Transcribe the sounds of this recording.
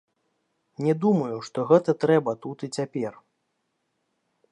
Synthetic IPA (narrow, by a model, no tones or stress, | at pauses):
nʲɛd̪umɐjuʂt̪ɔɣɛt̪ɐt̪ɾɛbɐt̪ut̪it͡sʲapʲɛr